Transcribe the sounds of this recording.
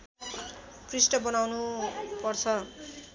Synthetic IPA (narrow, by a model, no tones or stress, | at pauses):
krisʈʌbʌnawnupʌrt͡sʰʌ